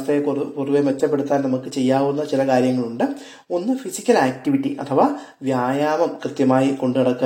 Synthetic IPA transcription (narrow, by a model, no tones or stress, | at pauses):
st̪ejpuruʋeʋet̪ːɐp̬ːe̞ɽut̪ːaːnɐmukːɨt͡ɕe̞jːaːʋunːɐt͡ɕilɐkaːɾjɐŋːɐɭuɳɖɨ | o̞nːɨfisikʲːɐlaːk̚ʈiʋiʈːiʔɐ̰t̪ʰɐʋaː | ʋjaːjaːmɐmkrɨt̪jɐmaːjiko̞ɳɖɨɐɽɐkː